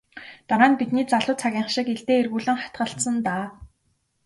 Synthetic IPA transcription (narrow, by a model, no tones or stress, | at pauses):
t̪aɾaːnpit̪niːt͡saɮʊːt͡sʰaɣʲiːɴχʃɪ̆keɮt̪eːerɣuːɮɘ̆ŋχḁt̪ɢə̆ɬt̪sə̆nt̪aː